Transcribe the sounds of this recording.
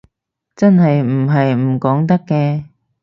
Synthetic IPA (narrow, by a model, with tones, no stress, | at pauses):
t͡sɐ˥nɦɐ˨jm̩˨˩ɦɐ˨jm̩˨˩kɔː˨˥ŋt̪ɐ˥kːɛː˧